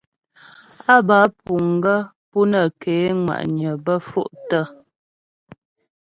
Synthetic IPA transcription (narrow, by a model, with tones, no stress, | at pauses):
a˦ba˨˦pu˨ŋ˨ɡə˦ | pu˦nə˨keː˨˦ŋwa̰˨ʔɲə˨bə˦fṵ˦˨ʔtə˦˨